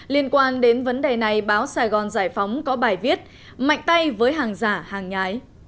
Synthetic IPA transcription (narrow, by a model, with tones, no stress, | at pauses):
li˧ənkwaː˧nɗe˨˦nvə˨˦nɗe˨˩na˨˩jɓaː˨˦wsaː˨˩ɣɔ˨˩nzaː˧˩jfa˨˦wŋ͡mkɔ˨˦ɓaː˨˩jvi˦˥ət̚ | ma̰˧˨jŋ̟t̪a˧jvəː˨˦jɦaː˨˩ŋzaː˧˩haː˨˩ŋɲaː˨˦j